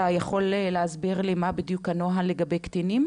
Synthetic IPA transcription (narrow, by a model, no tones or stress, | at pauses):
ajaχo̞lleazbiʁlimabid̪jukanoɦaleɡabejkt̪inim